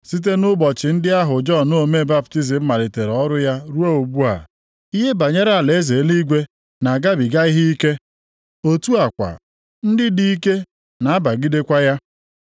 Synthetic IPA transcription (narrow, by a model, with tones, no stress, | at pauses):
si˦t̬e˦nʊ˦bɔ˨t͡ʃɪ˨n̩˦dɪ˦a˦ɦʊ˨d͡ʒɔ˦˨no˦o˦˨me˦ba˦bti˦zɪ˨m̩˦ma˨ɾɪ˨te˨ɾɔ˦ɾʊ˦ja˦ɾu˦a˦o˨bu˦a̰˨ | i˦ɦe˦ba˨ɲe˦ɾa˨le˨˦ze˨˦li˦ɡʷe˦ | na˨ɡa˦bi˨ɡa˦i˦ɦi˦i˦ke˦ | o˦tu˦a˨kʷa̰˨ | n̩˦dɪ˦di˦i˦ke˦ | na˨a˦ba˨ɡi˦de˦kʷa˦ja˦